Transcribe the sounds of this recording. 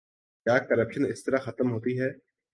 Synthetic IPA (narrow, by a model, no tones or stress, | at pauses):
kjaːkɐɾəpʃənɪst̪ɐɾaxɐt̪əmɦoːt̪iɦɛː